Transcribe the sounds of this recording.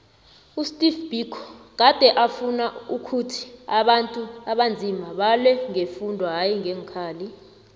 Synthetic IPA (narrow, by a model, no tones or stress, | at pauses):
ustʼifb̥ʱikʰɔk̬ad̥ʱɛʔafunaukʰutʰi̥aɓantʼuaɓand͡zʱimaɓalwɛŋefundʱɔɦajiŋeŋkʰaːli